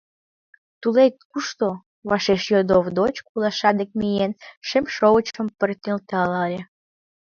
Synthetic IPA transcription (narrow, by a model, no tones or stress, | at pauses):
t̪ulek̚kuʃt̪o | βɑʃeʃjod̪ovd̪ot͡ɕkulɑʃɑd̪ek̚mijenʃemʃoɣət͡ɕəmpərt̪elt̪ɑlɑlʲe